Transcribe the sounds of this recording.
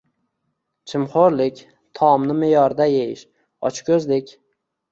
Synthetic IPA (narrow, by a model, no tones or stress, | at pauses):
t͡ʃʰɪmχoɾlɪkʲ | t̪ʰɒmnɪmejɒɾd̪ajejɪʃ | ɒ̰t͡ʃkʲʰɵzlɪkʲ